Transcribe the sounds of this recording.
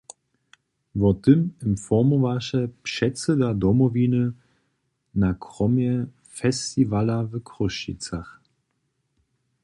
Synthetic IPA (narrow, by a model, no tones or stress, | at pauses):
vɔt̪əməmfɔmɔvaʃɛpʃɛt͡sɛd̪ad̪ɔmɔvinə | nakʁɔmjɛ | fɛst̪ivalavəkʰʁɔʃḭt͡sax